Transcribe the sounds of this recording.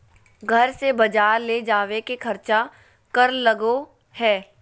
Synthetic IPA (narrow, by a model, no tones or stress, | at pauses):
ɡʱɐɾsebɐd͡ʒaːɾled͡ʒaːʋekekʰɐɾt͡ʃa | kɐɾlɐɡo | hɛː